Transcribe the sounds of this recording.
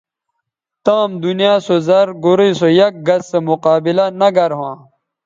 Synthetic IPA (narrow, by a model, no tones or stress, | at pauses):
t̪aːmd̪unijaːsozɐɾɡoɾisojɐk̚ɡɐsːemuqaːbilɐnɐɡɐɾɦãː